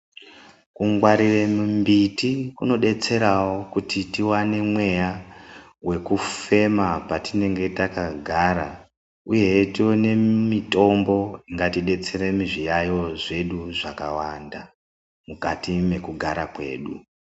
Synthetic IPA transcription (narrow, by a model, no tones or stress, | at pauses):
kuŋɡwaɾiremumbitikuno̞ɗe̞t͡se̞ɾawo̞kutitiwane̞mwe̞ja | we̞kufe̞mapatine̞ŋɡe̞takaɡʱaɾa | uje̞tione̞mito̞mbo̞iŋɡatiɗe̞t͡se̞ɾemiʐijajo̞ʐe̞ɗuʐakawanda | mukatime̞kuɡʱaɾakwe̞̰ːɗṵ